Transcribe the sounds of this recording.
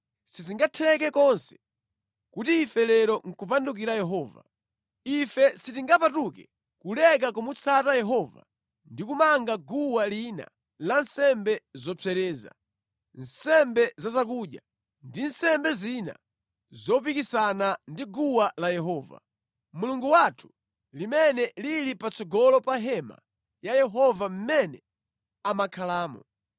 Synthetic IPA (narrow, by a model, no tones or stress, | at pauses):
siziŋɡatʰɛlɛk̬ɛkɔnsɛ̥ | kutiːfɛlɛɾɔŋ̩kupanduk̬iɾajɛɦɔːva̰ | ifɛsitiŋɡapatukɛ | kulɛk̬akumut͡sʰatajɛɦɔva̰ | ndikumaŋɡaɡuwalina̰ | lansɛmbɛzɔt͡sʰɛɾɛːza̰ | n̩sɛmbɛzazak̬uːɗja̰ | ndin̩sɛmbɛzina̰ | zɔp̬ikisanandiɡuwalajɛɦɔːva̰ | muluŋɡuwatʰu̥ | limɛnɛlilipat͡sɔɡɔlɔpaɦɛma̰ | jajɛɦɔvam̩mɛnɛ | amakʰalaːmɔ̰